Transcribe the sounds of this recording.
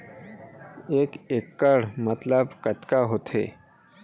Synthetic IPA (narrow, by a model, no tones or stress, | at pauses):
ekekːəɽmət̪ləbkət̪kaɦot̪ʰḛ